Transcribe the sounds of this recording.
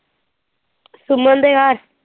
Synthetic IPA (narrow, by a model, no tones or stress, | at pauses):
sumənd̪eɡaɾ